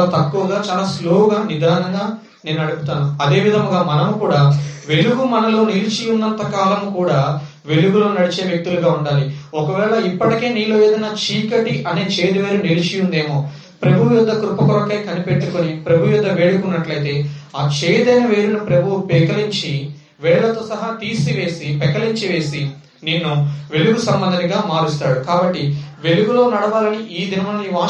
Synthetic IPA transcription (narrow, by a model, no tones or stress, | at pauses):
t̪ɐkːuʋɐɡaːt͡ʃaːlaːsloːwuɡaːnid̪ʱaːnɐŋɡaː | ne̞ːnuɐɽupu̥t̪aːnuɐd̪e̞ːʋid̪ʱɐŋɡaːmɐnɐmukuːɽaːʋe̞ɭuɡumɐnɐlo̞ːnilit͡ʃijunːɐnt̪ɐkaːlɐmukuːɽaː | ʋe̞luɡuloːnɐɽit͡ʃe̞ːʋjek̚t̪uluɡaːuɳɖaːliɔkɐʋɛːɭɐipːɐʈike̞ːniːloːjeːd̪ɐjnaːt͡ʃiːkɐʈiʔɐne̞ːt͡ʃeːjd̪ɐʋeːɾunilit͡ʃijund̪e̞ːmo̞ː | pɾɐbʱuʋjud̪ːɐkɾupɐkuɾɐkɐjkɐnipeʈːukonipɾɐbʱuʋjud̪ʱːɐʋeːɽukunːɐʈlɐjt̪e̞ːaːt͡ʃeːjd̪ɐjnɐʋe̞ːɾunupɾɐbʱuwupɛkɐliɲt͡ʃi | ʋɛːɭɐlɐt̪o̞ːsɐɦaːt̪iːsiʋe̞ːsipɛkːɐliɲt͡ʃiʋe̞ːsi | ninːuʋe̞luɡusɐmbɐnd̪ʱɐnɐɡaːmaːɾist̪aːɽukaːbɐʈːiʋe̞luɡulo̞ːnɐɽɐʋaːlɐniʔiːd̪inɐmɐlɐniʋaː